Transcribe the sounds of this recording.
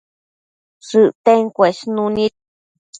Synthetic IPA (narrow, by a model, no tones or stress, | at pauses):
sɨʔt̪eŋkʷeʃnũnĩ